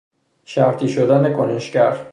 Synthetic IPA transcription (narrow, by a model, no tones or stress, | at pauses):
ʃæɾt̪ʰiːʃod̪æne̞kʰoneʃcæɾ